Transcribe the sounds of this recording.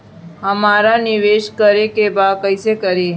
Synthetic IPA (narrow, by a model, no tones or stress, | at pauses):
həmaːɾanɪʋeːʃkəɾekebaːd̪̚kəɪsekəɾe